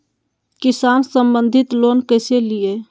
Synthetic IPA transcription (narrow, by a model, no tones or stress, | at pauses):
kisaːnsəmbənd̪ʱit̪loːnkəɪselije